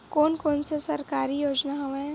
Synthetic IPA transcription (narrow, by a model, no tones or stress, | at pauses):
koːnkoːnsesɐɾkaːɾijoːd͡ʒnaɦoẽ